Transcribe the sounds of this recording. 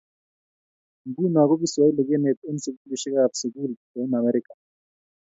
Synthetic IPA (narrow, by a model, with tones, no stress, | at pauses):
m̩˨bu˦na˨k̬o˦ki˦swa˦i˦lɛ˨k̬ɛ˦ne˨te˦n̩se˨ku˦li˨ʃɛ˦ka˦˨fse˨k̬u˦l | e˨˦na˨mɛ˦ɾi˦kʼḁ˨